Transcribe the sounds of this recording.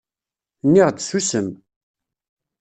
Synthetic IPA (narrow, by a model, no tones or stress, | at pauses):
nːiʁd̪susəm